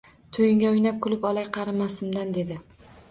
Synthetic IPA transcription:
t̪ʰojɪŋɡʲaʊjnap̚kʰʊlˠɪpɒlˠajqʰɑɾɪmːasɪmd̪and̪e̞d̪ɪ

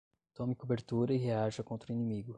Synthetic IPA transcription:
t̪õmɪkobeɾt̪uɾɐiɦeaʒɐkõnt̪ɾʊinĩmiɡʊ

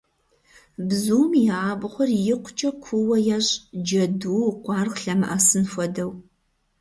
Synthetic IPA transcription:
bzuːmjɪaːbχʷɔrjɪqʷʊt͡ʃʼɐkʷʰuwɐjaɕʼd͡ʒɐduːqʷɑːrqɬɐmɨʔaːsɨnfʷɔdɐw

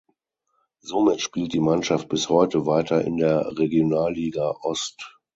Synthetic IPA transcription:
zoːmɪtʃpiːlt̚d̥iːmanʃaft̚b̥ɪshɔʏtəvaɪtʰɐɪ̰ndeːɐʁeɡjonaːlːiːɡaʔɔst

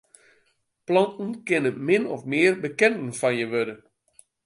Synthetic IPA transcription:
plɑntn̩kɪnəmɪnɔ̰fmɪərbəkɛntn̩fɑnjəʋødə

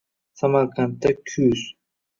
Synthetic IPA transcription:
samaɾqʰant̪ːakʲʰʊz̥

